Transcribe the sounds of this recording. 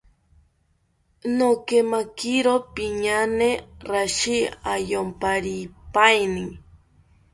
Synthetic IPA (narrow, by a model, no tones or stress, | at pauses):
nokemakiɾopiɲaneɾaʃiajompaɾipajniŋ